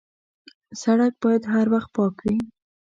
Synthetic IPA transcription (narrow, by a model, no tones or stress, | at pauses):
saɽak̚bɑjad̪ɦaɾwaxt̪̚pɑkwi